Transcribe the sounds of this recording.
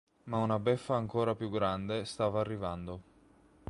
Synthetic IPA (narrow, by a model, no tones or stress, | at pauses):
maunabɛfːaːŋkoːɾapjuɡɾand̪est̪aːvaːrːivand̪o